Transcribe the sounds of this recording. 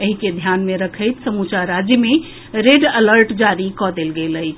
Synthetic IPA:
əɦiked̪ʱjanmeɾəkʰəjt̪səmut͡ʃaɾad͡ʒjəme | ɾeɖələɾʈd͡ʒaɾikɔd̪elɡelət͡ʃʰ

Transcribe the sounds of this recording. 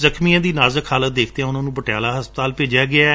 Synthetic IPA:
zəkʰmijãːd̪iːnaːzəkʰaːlət̪̚d̪eːkʰt̪eːɦɛ̃ʊnãːnũːbəʈɪjaːlaːɦəspət̪aːlpeːd͡ʒjaːɡɪa

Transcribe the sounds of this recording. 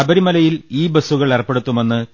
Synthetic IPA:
ɐbɐɾimɐlɐjiliːbɐsuɣɐɭerɐpːe̞ɽut̪ːume̞nːɨ

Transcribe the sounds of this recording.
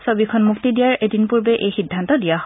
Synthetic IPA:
sobikʰɔnmuktidijaɹedinpuɹbɛʔejxidʱːantɔdijaɦ

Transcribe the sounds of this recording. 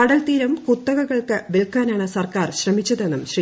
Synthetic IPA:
ɐɽɐlt̪iːɾɐmkut̪ːɐɣɐɣɐɭkɨʋelkːaːnaːɳɨsɐrkaːrɕrɐmit͡ɕːɐðe̞nːumɕri

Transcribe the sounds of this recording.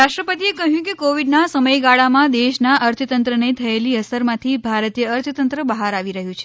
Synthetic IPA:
ɾaʃʈɾəpət̪iekəɦjũkekoʋiɖnasəməjɡaɭamãd̪eʃnaʔəɾt̪ʰət̪ənt̪ɾənet̪ʰəeliəsəɾmãt̪ʰibʱaɾət̪ijəːɾt̪ʰt̪ənt̪ɾəbəɦaɾaʋiɾəɦjũt͡ʃʰe̥

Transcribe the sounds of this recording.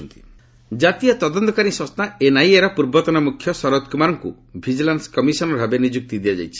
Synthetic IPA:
nt̪i̥ | d͡ʒat̪iɔt̪ɔd̪ɔnt̪ɔkaɾiswɔst̪aenajeɾɔpuɾbɔt̪ɔnamukʰjɔsɔɾɔt̪̚kumaɾɔŋkṵ | bʱid͡ʒilanskɔmisɔnɔbʱabenid͡ʒuk̚t̪id̪iad͡ʒa̰jt͡ʃʰi̥

